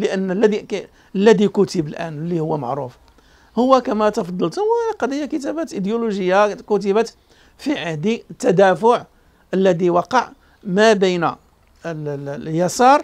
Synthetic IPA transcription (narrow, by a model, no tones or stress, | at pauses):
ləʔənːlːæd̪i | əlːæd̪ikut̪əbəlʔæ̰nlːihʊwːæmə̰ʕɾuf | hʊwːækæmæt̪ɑfɑd̪ˤːɑlt̪wəqɑd̪ijːakət̪æbæt̪ʔid̪juluʒəjːakut̪̬əbæt̪ | fiʕəhd̪it̪ːæd̪æfʊʕ | ʔəlːæd̪iwɑqɑʕ | mæbəjn | əljɑsɑɾˤ